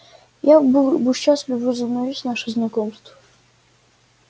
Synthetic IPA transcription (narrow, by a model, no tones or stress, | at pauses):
jabbɨɕaslʲɪvəzəvnavʲisʲnaʂɨznɐkɔmst̪və